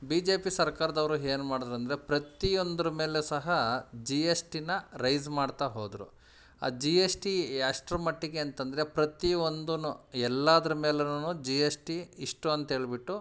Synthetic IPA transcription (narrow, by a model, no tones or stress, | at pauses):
biːd͡ʒe̞ːpisɐɾkaːɾɐd̪ɐʋɐɾuɦe̞ːnumaːɽd̪ɐɾɐnd̪ɐɾepɾɐt̪io̞nd̪ɐɾɐme̞ːlesɐɦɐd͡ʒiesʈinɐɾɐjzmaːɖt̪aːɦoːd̪ɾṵ | a̰ːd͡ʒiesʈijaːʂʈɾɐmɐʈːiɡe̞ɐnt̪ɐnd̪ɐɾe̞pɾɐt̪io̞nd̪unuɛlːaːd̪ɐɾɐme̞ːlenunuːd͡ʒijesʈiːʂʈuɐnt̪ɐɦe̞ːɭibiʈːu